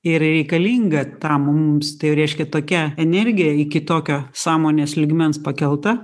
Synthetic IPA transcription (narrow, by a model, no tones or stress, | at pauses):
ɪɾɾʲɛɪkɐlʲiːŋɡɐt̪ɐmʊʊmst̪ɐɪjʊɾʲɛɪʃʲkʲɛt̪oːkʲɛɛnʲɛɾʲɡʲɪjɛɪkʲɪt̪oːkʲoːsɑːmoːnʲeːslʲɪɡmʲɛnspɐkʲɛlˠt̪ɐ